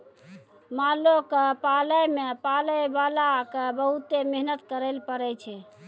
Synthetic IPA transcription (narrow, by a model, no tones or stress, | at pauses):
malokpaləjmepaləjbalakebəɦut̪emeɦnət̪kəɾəlpəɾɛt͡ʃʰɛ